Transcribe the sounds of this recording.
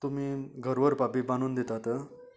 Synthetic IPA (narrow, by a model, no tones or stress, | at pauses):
t̪umiːɡʱəɾʋəɾpapiːbaɽ̃uːnd̪et̪at̪ə